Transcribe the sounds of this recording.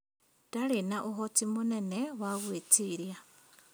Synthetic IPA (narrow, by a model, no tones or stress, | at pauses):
talinaʔuɦot͡simuneneɣwaɣwet͡siɾja